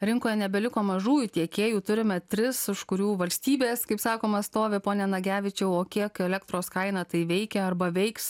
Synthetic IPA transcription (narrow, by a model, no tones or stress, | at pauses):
ɾʲɪŋkoːjɛnʲɛbʲɛlʲɪkoːmɐʒuːjʊt̪ʲiɛkʲeːjuːt̪ʊɾʲɪmʲɛt̪ʲɾʲɪsɪʃkʊɾʲuːʋɐlʲsʲt̪ʲiːbʲeːskɐɪpsɑːkoːmɐst̪oːʋʲɪpoːnʲɛnɐɡʲæːʋʲɪt͡ʃʲɛʊoːkʲiɛkɛlʲɛk̚t̪ɾoːskɐɪnɐt̪ɐɪʋʲɛɪkʲɛɐrbɐʋʲɛɪks